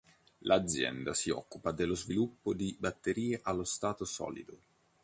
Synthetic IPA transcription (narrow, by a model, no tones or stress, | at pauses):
lʔad̪zːjɛ̰nd̪asiɔ̰kːupad̪elːozvilupːod̪ibat̪ːeɾiːeʔalːost̪aːt̪osɔ̰ːlḭd̪o